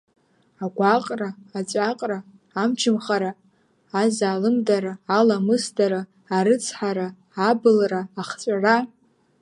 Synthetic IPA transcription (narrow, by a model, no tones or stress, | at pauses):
aɡʷaqʼraːt͡ʃʷʼaqʼraː | mt͡ʃʰɨmχaɾa | azaːlɨmdaɾaːlamɨsdaɾaː | ɾɨt͡sʰħaɾaː | bɨlraaχt͡ʃʷʼara